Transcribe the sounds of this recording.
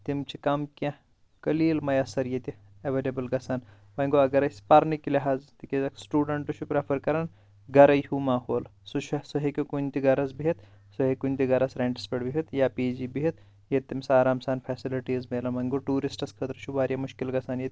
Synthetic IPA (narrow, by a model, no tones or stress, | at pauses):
t̪imt͡ʃʰikɐmkʲã | kɐliːlmɐjɐsɐɾjet̪i | ɐʋeːlɐbɐlɡɐsaːn | mɐŋɡoɐɡɐɾɐjspɐɾnikːiliɦaːzt̪ikizɐksʈuːɖɐɳʈut͡ʃʰupɾepʰɐɾkɐɾan | ɡɐɾɐjɦumaːɦoːlsut͡ʃʰɐsɐɦekʲokunʲt̪iɡɐɾɐsbiɦɐt̪ | soɦekunʲt̪iɡɐɾɐsɾeɳʈɐ̥speɖbiɦɐt̪japiːd͡ʒibiɦit̪̚ | jet̪ːimsaːɾaːmsaːnpʰɛːsiliʈiːzmeːlɐnmɐŋɡoʈuːɾisʈɐskʰət̪ɾɐt͡ʃʰubaːɾjɐmʊʃkilɡɐsaːnjet̪ʲ